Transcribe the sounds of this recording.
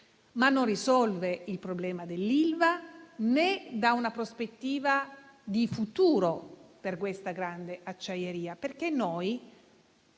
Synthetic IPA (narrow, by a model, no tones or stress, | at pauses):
manːonrisɔlveilpɾoblɛːmad̪elːilvaned̪aunapɾospet̪ːiːvad̪ifut̪uːɾoperkwest̪aɡɾand̪eʔat͡ʃːajeɾiːaperkenːɔj